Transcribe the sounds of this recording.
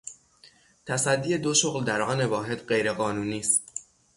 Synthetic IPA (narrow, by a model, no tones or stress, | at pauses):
t̪ʰæsæd̪ːiːje̞d̪o̞ʃoɣld̪æɾʔɒːne̞vɒːɦe̞d̪ɢejɾe̞ɣɒːnuːniːst̪̚